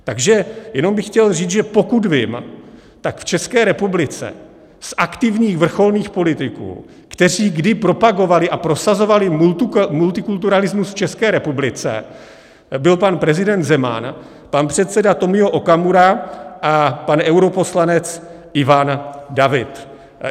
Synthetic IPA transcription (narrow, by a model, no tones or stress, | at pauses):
t̪aɡʒɛjɛno̞mbɪxːcɛlriːt͡sʒɛpo̞kud̪vɪm | t̪akft͡ʃɛskɛːɾɛpublɪt͡sɛ̰ | sʔakt̪ɪvɲiːxvr̩xo̞lniːxpo̞lɪt̪ɪkṵː | kt̪ɛriːɡdɪpɾo̞paɡo̞valɪʔapɾo̞sazo̞valɪmmult̪ɪkult̪uɾalɪzmusft͡ʃɛskɛːɾɛpublɪt͡sɛ̰ | bɪlpanpɾɛzɪdɛnt̪zɛma̰n | panpr̝̥ɛt̪sɛdat̪o̞mɪoʔo̞kamuɾaʔapanʔɛwɾo̞po̞slanɛt͡s | ʔɪvandavɪt̪